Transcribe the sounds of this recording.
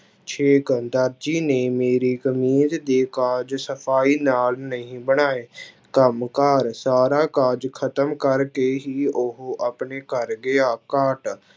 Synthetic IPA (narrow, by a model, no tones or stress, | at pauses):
t͡ʃʰeːkəd̪əɾd͡ʒiːneːmeːɾiːkəmiːt̪d̪eːkaːd͡ʒsəpʰaːiːnaːlnəĩːbəɽ̃aːeː | kəmkaːɾsaːɾaːkaːɾd͡ʒkʰət̪əmkəɾkeːɦiːʔʊɦoʔapɳeːkəɾɡeaːkaːʈ